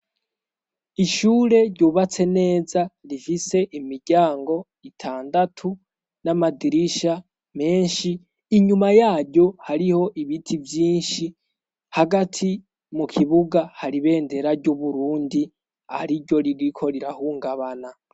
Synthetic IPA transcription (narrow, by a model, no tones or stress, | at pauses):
iʃuːɾe̞ɾɟuːβat͡se̞ne̞ːzaɾifise̞ʔimiɾɟaːŋɡo̞ | itʰaːndatʰu | namadiɾiʃa | me̞ːɲʃiː | ɲumajaːɟo̞haɾiho̞ʔiβitʰivjiːnʃi | haɡatʰi | mukʰiβuɡahaɾiβe̞ːnde̞ɾaɾɟuβuɾuːndi | ahɾiɾɟo̞ɾiɾikʰo̞ɾiɾahuŋɡaβana